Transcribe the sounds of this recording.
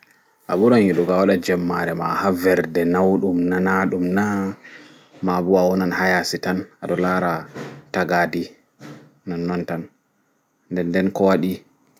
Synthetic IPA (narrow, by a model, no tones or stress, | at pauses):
ʔa̰buɾanjiɗɔɡawaɗad͡ʒɛmːaɾɛma̰havɛɾdɛnawɗumnanaɗumna | mabuawɔnanhajasitanaɗɔlaɾataɡadi | nanːɔntan | ndɛndɛnkɔwaɗi